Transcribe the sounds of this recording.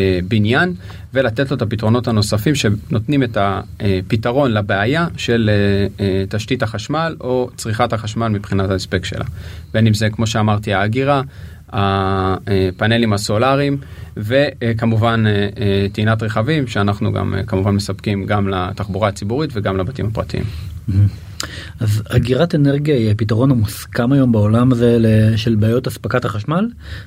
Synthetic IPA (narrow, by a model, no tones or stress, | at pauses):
binjan | ve̞lat̪etlo̞et̪apitʁo̞no̞thano̞safimʃe̞no̞tnime̞taepitaʁo̞nlabeajaʃe̞l | taʃtithaχaʃmalo̞t͡sʁiχathaχaʃmalmipχinataespekʃe̞̰lʔa̰be̞nimze̞kmo̞ʃe̞amaʁtiaːɡiʁa | a | pane̞limaso̞laʁimve̞kamuvaneetiinatʁeχavimʃeanaχnuɡa̰m̰kamuvanme̞sapkimɡamlataχbuʁaːt͡sibuʁitveɡamlabatimapʁatiʔḭmm̩ɦ̩ | azaɡiʁateneʁɡiajapitaʁo̞namuskamajo̞mbaolamazeleʃelbaːjotaspakathaχaʃmal